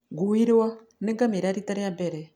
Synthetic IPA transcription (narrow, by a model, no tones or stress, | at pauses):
ɡuwiɾwa | nɛŋɡamiɾaɾitaɾɛjambɛɾɛ